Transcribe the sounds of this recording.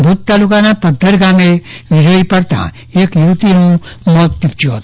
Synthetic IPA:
bʱut̪t̪aːlukãnapəd̪ʱːəɾɡaːmeʋɪd͡ʒəipəɽt̪a̰ | eːkjut̪inũmɔːt̪ːɪp̚t͡ʃjuɦot̪

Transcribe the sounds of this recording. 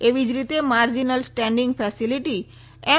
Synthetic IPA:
eʋid͡ʒɾit̪emaɾd͡ʒinəlsʈɛ̃ɳɖĩŋɡpʰɛsiliʈi | ɛ

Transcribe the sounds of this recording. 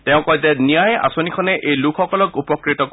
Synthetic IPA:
t̪eʊ̃kɔjzenijaeʔa̰sɔnikʰɔneʔejlukʰɔkɔlɔkupɔkɾit̪ɔk

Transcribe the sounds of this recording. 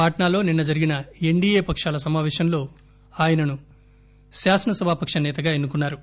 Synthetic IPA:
aːʈɐɳaːlo̞ːninːɐd͡ʒɐɾiɡinɐe̞ɳɖiːeːpɐkʂaːlɐs̬ɐmaːʋɛːʃɐmlo̞ː | aːjɐnɐnu | ʃaːsɐnɐsɐbʱaːpɐkʂɐnɛːt̪ɐɡaːenːukunːaːɾu

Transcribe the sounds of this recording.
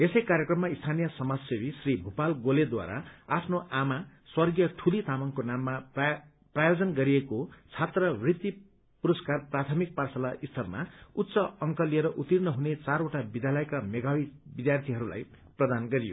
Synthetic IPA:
esʌjkaɾjekrʌmːaist̪ʰanijʌsʌmad͡zsebisribʱupalɡoled̪wa̰ɾa̰apʰnoʔama | swʌrɡijʌʈʰulit̪amaŋkonamːa | prajod͡zʌnɡʌɾiekot͡sʰat̪rʌbrit̪ːi | puɾʌskarprat̪ʰʌmik̚parsʌlaʔist̪ʰʌrma̰ut̪ːsʌʌŋkʌlieɾʌʔut̪irnʌɦunet͡saroʈabid̪jalʌjkameɡawibid̪jart̪ʰiɦʌɾula̰j | prʌd̪anɡʌɾijo̰

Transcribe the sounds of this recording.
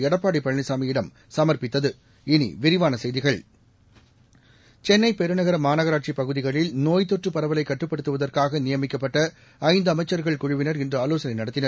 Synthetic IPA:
ɛɽɐpːaːɽipːɐɻɐɳɪsaːmɐjɪɽɐm | sɐmɐrpɪt̪ːɐðɯ | ɪnḭʋɪɾɪʋaːnɐsɛjðɪɣɐɭ | t͡ʃɛnːɐɪpɛɾɯnɐɣɐɾɐmaːnɐɣɐɾaːʈ̚t͡ʃipɐɣɯðɪɣɐɭɪlnoːjt̪ːɔʈrɯpɐɾɐʋɐlɐɪkːɐʈrɯpːɐɽɯt̪ːɯʋɐðɐrkaːɣɐnɪjɐmɪkːɐpːɐʈːɐ | ɐɪnd̪ɯɐmɐɪt͡ʃːɐɾɣɐɭkʊɻʊʋɪnɐɾɪndrɐɐloːsɐnɐɪnɐɽɐt̪ːɪnɐɾ

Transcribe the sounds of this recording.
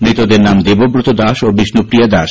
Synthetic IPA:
nɾit̪od̪eɾnamd̪ebobɾot̪od̪aʃobiʃnupɾijad̪aʃ

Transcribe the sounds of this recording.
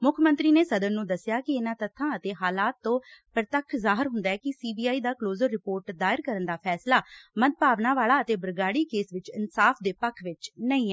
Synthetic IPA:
mʊkʰmənt̪ɾiːneːsəd̪ənːũːd̪əsːɪjaːkɪɪnãːt̪ət̪ʰːãːət̪eːɦaːlaːt̪ːõːpəɾt̪əkʰːzaːɦɪɾɦʊnd̪aːɛːkɪsiːbiːaːiːd̪aːkloːzəɾːɪpoːɾʈd̪aːɪɾkəɾənd̪aːpʰɛːslaːməd̪̚paːʋnaːʋaːɭaːət̪eːbəɾɡaːɽiːkeːsʋɪt͡ʃɪ̰nsaːpʰd̪eːpəkʰʋɪt͡ʃnəĩːɛː

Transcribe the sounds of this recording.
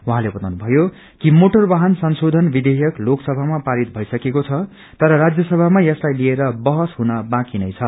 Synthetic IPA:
wuɦãlebʌt̪awnubʱʌjo | kimoʈʌrbaɦʌnsʌnsod̪ʱʌnbid̪ejʌkloksʌbʱamapaɾit̪̚bʱʌisʌkekot͡sʰʌ | t̪ʌɾʌɾad͡zjʌsʌbʱamajʌslajlieɾʌbʌɦʌsɦunʌbãkinʌjt͡sʰʌ

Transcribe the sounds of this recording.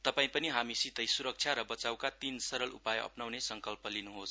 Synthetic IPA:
t̪ʌpaĩpʌniɦamisit̪ʌjsuɾʌk̚t͡sʰjaɾʌbʌt͡sawkat̪insʌɾʌlʔṵpajʌ̰pnawnesʌŋkʌlpʌlinuɦos

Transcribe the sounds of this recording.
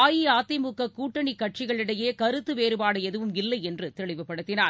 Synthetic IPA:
aːjiaːt̪ːɐmukːɐkuːʈːɐɳikːɐʈ̚t͡ʃɪɣɐɭɪɽɐjeːkɐɾɯt̪ːɯʋeːɾɯbaːɽɯɛðɯʋɯmɪlːɐɪɛndrɯt̪ɛɭɪʋɯpːɐɽɯt̪ːɪnaː

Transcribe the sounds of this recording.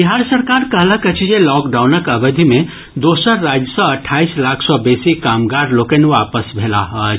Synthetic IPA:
biɦaɾsəɾkaɾkəɦlakət͡ʃʰid͡ʒelɔkɖawnəkəbəd̪ʱime | d̪osəɾːad͡ʒjəsɔ̃əʈʰaislakʰsɔbesikamɡaɾlokənʋapəsbʱela̰ɦət͡ʃʰ

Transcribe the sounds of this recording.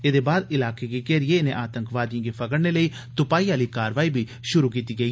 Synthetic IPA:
eːd̪eːbaːd̪ɪlaːkeːɡiːkɛːɾɪjeːɪnḛ̃ːʔaːt̪əŋkʋaːd̪jãːɡiːpʰəɡəɽneːləiː | t̪ʊpaːiːaːliːkaːɾʋaːiːbiː | ʃʊɾuːk̬iːt̪iːɡəiː

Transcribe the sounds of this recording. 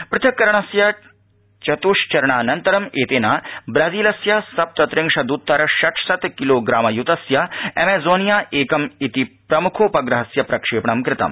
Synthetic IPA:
pɾɪt̪ʰɐkːɐɾɐɳ̃ɐsjɐ | t͡ʃɐt̪uːʂt͡ʃɐɾɐɳ̃aːnɐnt̪ɐɾɐmeːt̪eːnaːbɾaːziːlɐsjɐsɐp̚t̪ɐt̪ɾɪŋʂɐd̪uːt̪ːɐɾɐʃɐʈʰsɐt̪kiloːɡɾaːmɐjut̪ɐsjɐemeːzoːnijaːʔeːkɐmit̪ipɾɐmukʰoːpɐɡɾɐɦɐsjɐpɾɐkʂeːpɳɐmkɾɪt̪ɐ̰m

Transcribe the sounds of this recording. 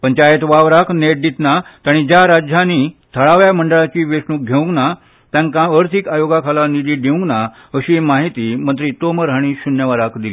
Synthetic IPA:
pənt͡ɕajet̪ʋaʋɾakneʈ̚d̪it̪nat̪aɽ̃id͡ʑjaɾad͡ʑʱjaniːt̪ʰəɭaʋjaməɳɖəɭat͡ɕiːʋeʂnuːk̚ɡʱeũŋɡna | t̪jãŋkãəɾt̪ʰikajoɡakʰalanid̪iːɖʱeũŋɡna | əɕiːmaɦit̪iːmənt̪ɾiːt̪oməɾɦaɽ̃iːɕunjəʋəɾakd̪iliː

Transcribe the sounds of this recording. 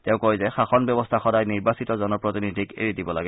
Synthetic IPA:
tɛ̃ʊ̃kojzɛxaxɔnbjɔbɔstʰaxɔdajniɹbasitɔzɔnɔpɹotinidʱikḛɹidibɔla̰ɡɛ

